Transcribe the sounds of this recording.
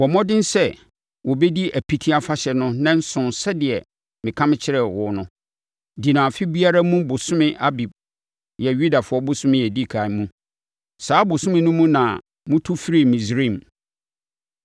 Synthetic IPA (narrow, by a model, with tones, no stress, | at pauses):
wɔ˨mɔ̃˦dɪ̃˦n̩˦sɛ˦˨ | wɔ˨bɛ˦di˦ʔæ˨pʰi˦tʰi˦a˦fa˦ɕɛ˨nʊ̃˦nã˦n̩˦sʊ̃˨nsɛ˦dɪ˨ɛ˨ | mɪ̃˨kʰã˦mɪ̃˦t͡ɕʰɪ˦ɾɛ˨wʊ˨˦nʊ̃˦ | di˨nã˨fɪ˦bi˦a˦ɾa˦mũ˦bʊ˨sʊ̃˦mɪ̃˦ʔa˦bi˨b̚ | jɛ˨ɥu˦da˨fʊ˨ɔ˦bʊ˦sʊ̃˦mɪ̃˦jɛ˨di˦˨kʰa˨˦mũ˦ | saː˦bʊ˨sʊ̃˦mɪ̃˦nʊ̃˦mũ˦nã˨ | mʊ̃˦tʰʊ˦fi˦ɾi˦˨mĩ˨sɾĩ˦˨m